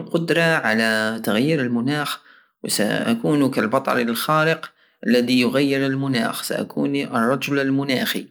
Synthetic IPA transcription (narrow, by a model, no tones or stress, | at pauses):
qʊd̪ɾˤɑʕalat̪aɣjiːɾɪlmʊnaːx | wsa̰ʔa̰kuːnukalbɑt̪ˤɑ̰ɾilxaːɾəq | ʔalːaðijʊɣajːɪɾɪlmʊna̰ːxsa̰ʔa̰kʰuːniʔɨrˤːɑd͡ʒʊlɪlmʊnaːxḭ